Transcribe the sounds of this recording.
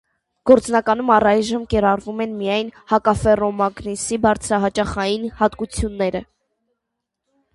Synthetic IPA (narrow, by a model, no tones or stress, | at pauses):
ɡ̥ɔɾt͡snɑkɑn̪umɑrɑjʒəmkɛɾɑrvumɛnmijɑjnhɑkɑfɛrɔmɑɡnisibɑɾt͡sʰɾɑɦɑt͡ʃɑχɑjinhɑt̪kut͡sʰjunːɛɾə